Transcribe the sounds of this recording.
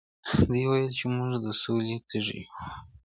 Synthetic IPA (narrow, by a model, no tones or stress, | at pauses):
d̪əwajəlt͡ʃemuʐd̪əsolet̪ʰəʐḭju